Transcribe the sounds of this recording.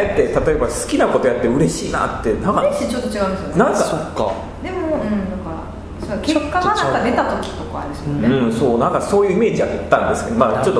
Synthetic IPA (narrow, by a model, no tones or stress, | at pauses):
et̪ːet̪at̪o̞e̞basɨ̥kʲinako̞t̪o̞jat̪ːeɯ̟ɾeɕiːna̰t̪ːenãŋkaeit͡ɕot̪ːot͡ɕiɡaɯ̃nsɨjonãŋkkaso̞kːa̰ | d̪e̞moɯ̟̃ɴnãŋka | sokekːaɡanãkad̪e̞t̪at̪o̞kʲi̥t̪okaa̰d̪esɨmonɯ̟̃ɴso̞ːnãŋkaso̞ːjɯ̟ime̞ːd͡ʑiaket̪ːãnd̪e̞sɨ̥ke̞d̪omat͡ɕo̞t̪ːo